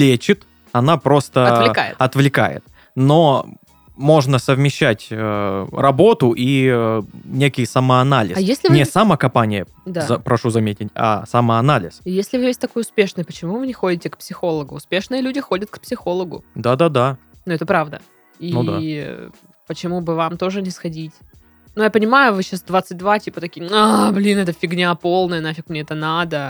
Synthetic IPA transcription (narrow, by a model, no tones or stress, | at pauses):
lʲet͡ɕɪt̪ | ɐnapɾo̞st̪əɐvlʲɪkajɪ̰ɐt̪vlʲɪka̰jɪ̰t̪ | no | mo̞ʐnəsəvmʲɪɕːætʲərɐbo̞t̪ʊʔi | nʲekʲɪjsɐməɐnalʲɪ̰ssjesʲlʲɪnʲɪsɐmakɐmpanʲɪjə | d̪aɐpɾɐʂuzɐmʲetʲɪtʲa̰sɐməɐnalʲɪ̰sjesʲlʲɪvɨvʲesʲt̪ɐkojʊspʲe̞ʂnɨjpət͡ɕɪmuvɨnʲɪxo̞dʲɪtʲɪkpsʲɪxo̞lˠəɡʊːspʲe̞ʂnɨjəlʲudʲɪxo̞dʲət̪̚kpsʲɪxo̞lˠəɡʊ̰d̪ad̪ad̪a | nuɛt̪əpɾavd̪ə̰ | inud̪a̰ | pət͡ɕɪmubɨvamt̪o̞ʐɨnʲɪsxɐdʲitʲ | nujapənʲɪmajʊvɨɕːasd̪vat̪sɨt̚ʲd̪vatʲipət̪ɐkʲijəablʲinɛt̪əfʲɪɡnʲapo̞lˠnəənafʲɪkmnʲeɛt̪ənad̪ə